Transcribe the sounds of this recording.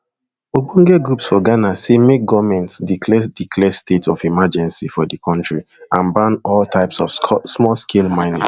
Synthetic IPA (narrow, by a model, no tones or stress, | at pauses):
obũŋɡɛɡɹupsɔɡanasemek̚ɡɔvmɛ̃ntsdikʰlɛdikʰlɛstetʰɔfimad͡ʒɛ̃nsifɔdikʰɔ̃ntɹi | ãnbãnɔltʰaɪpsɔfsmɔlskʰelmãɪ̃nḭ̃ŋ